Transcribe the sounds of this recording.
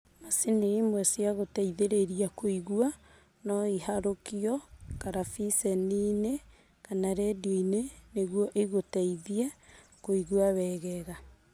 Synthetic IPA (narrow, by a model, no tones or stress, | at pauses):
masenemwɛsiaɣotaiðeɾeɾiakoiɣua | nɔihaɾokiɔkaɾafisɛnine | kanaɾɛdoineneɣwɔʔeɣotaiðia | koiɣuaβɛɣɛɣa